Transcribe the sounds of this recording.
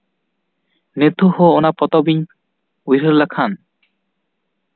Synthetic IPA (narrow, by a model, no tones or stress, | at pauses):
net̪uhoonapɔt̪ɔbiɲ | wiɾeɾlakʰan